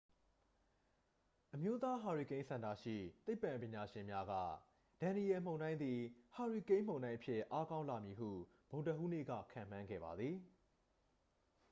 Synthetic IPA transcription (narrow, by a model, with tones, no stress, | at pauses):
ʔəmjo˦t̪a˦ɦa˨ɹi˨kẽ˦ɪ̃sʰã˨nda̰˦˨ʃḭ˦˨t̪e˦ɪpːã˨mpjɪ̃˨ɲa˨ʃɪ̃˨mja˦ɡä̰˦˨ | d̥ã˨ni˨ɛ˨m̥õ˨ndã˦ɪ̃nd̪i˨ha˨ɹi˨kẽ˦ɪ̃m̥õ˨ʊ̃ndã˦ɪ̃ʔəpʰjɪ˦˨ʔa˦kã˦ʊ̃la˨mji˨ɦṵ˦˨ | b̥õ˨ʊ̃ntə˨ʔu˦nḛ˦˨ɡä̰˦˨kʰã̰˦˨m̥ã˦ŋɡɛ̰˦˨ba˨d̪ði˨